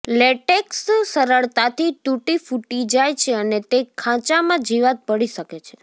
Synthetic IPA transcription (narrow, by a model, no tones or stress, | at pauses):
leʈekssəɾəɭt̪at̪ʰituʈifuʈid͡ʒajt͡ʃʰeənet̪ekʰãt͡ʃamãd͡ʒiʋat̪̚pəɽiʃəket͡ʃʰe